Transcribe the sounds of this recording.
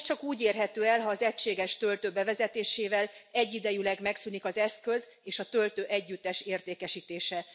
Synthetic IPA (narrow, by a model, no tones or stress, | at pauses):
t͡ʃɒkuːɟeːrɦɛt̪øːɛlɦɒːzɛcʃeːɡɛʃt̪ø̞lt̪øːbɛvɛzɛt̪eːʃeːvɛlɛɟːid̪ɛjylɛɡmɛksynikɒzɛskø̞z | eːʃɒt̪ø̞lt̪øːʔɛɟːyt̪ːɛʃeːrt̪eːkɛʃiːt̪eːʃɛ